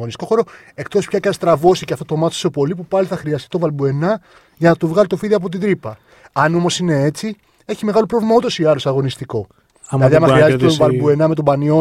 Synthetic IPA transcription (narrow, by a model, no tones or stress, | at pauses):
onist̪iko̞xo̞ɾo̞ | e̞kt̪o̞spçɐceɐst̪ɾɐvo̞siceɐft̪ot̪omɐt̪so̥sepo̞lipupɐliθɐxɾiɐst̪it̪o̞vɐlbue̞nɐ | ʝɐnɐt̪uvɣɐlit̪o̞fiðiɐp̬o̞t̪̬id̪ɾipɐ | ɐno̞mo̞sine̞e̞t͡si | eçimeɣɐlo̞pɾo̞vlimɐot̪o̞siɐlosɐɣo̞nist̪iko̞ | lɐðiɐmɐxɾiɐzeet̪ovɐlbue̞nɐme̞t̪o̞bɐnio̞